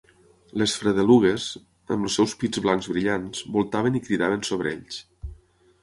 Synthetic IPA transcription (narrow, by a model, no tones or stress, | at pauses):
lesfɾəðəluɣ̞ez | ə̰mlusːɛwspid͡zβlaŋzβɾiʎanzbulˠt̪aβənikɾiðaβənsoβɾə̰ḛʎs